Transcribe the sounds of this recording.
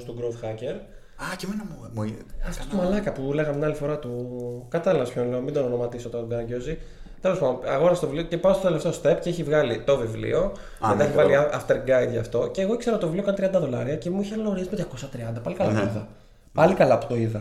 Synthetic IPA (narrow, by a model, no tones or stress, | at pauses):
st̪uɡɾoðxɐce̞ɾ | ɐcemenɐm | ɐft̪o̥t̪umɐlɐkɐpuleɣɐmt̪inɐlifo̞ɾɐt̪ukɐt̪ɐliɐspçonle̞omind̪ononomɐt̪isot̪oɡɐɟozi | t̪e̞lo̞spɐnd̪oɐɣo̞nɐst̪ovivliocepɐmst̪ot̪eleft̪eo̞st̪epceeçivɣɐlit̪o̞vivlḭo̞ | et̪ɐeçivɐliɐft̪e̞ɾɡɐjd̪ʝɐft̪o̞ceːɣoikseɾot̪ovivlio̞kɐnt̪ɾiɐnd̪ɐðo̞lɐɾiɐce̞muiçelɐnoɾiɐzimet̪ʝɐko̞sɐt̪ɾiɐnd̪ɐpɐlikɐlɐptoiðɐ | pɐlikɐlɐːpot̪oiðɐ